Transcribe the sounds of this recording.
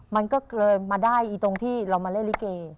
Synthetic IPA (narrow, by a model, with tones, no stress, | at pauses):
ma˧nkɔː˥˩klɤː˧jmaː˧daː˥˩jʔiː˨˩t̪o˧ŋt̪ʰiː˥˩ɾa˧wmaː˧le˥˩˨li˦˥keː˧